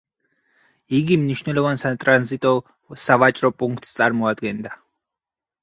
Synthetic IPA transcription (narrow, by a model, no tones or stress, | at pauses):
iɡimniʃwnɛlɔvansat̪ʼɾanzit̪ʼɔ | savat͡ʃʼɾɔpʼuŋkʰt̪ʼst̪sʼaɾmɔad̪ɡɛnd̪a